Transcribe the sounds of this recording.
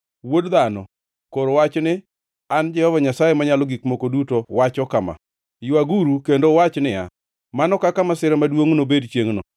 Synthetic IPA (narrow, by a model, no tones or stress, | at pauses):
wodðanɔ | koɾowat͡ʃnɪ | and͡ʒɛhɔvaɲasajemaɲalɔɡikmokodutowat͡ʃɔkama̰ | jʊaɡuɾukendowat͡ʃnɪja̰ | manɔkakamasɪɾɛmadwoŋnobedt͡ʃjeŋnɔ